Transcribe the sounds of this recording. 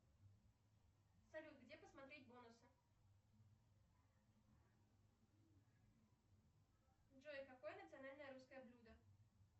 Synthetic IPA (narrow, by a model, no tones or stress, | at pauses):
salʲut̪ɡdʲepəsmat̪ɾʲetʲbonʊsɨ | ʐojkakojənət̪sɨanalʲnəjəɾuskəjəblʲud̪ə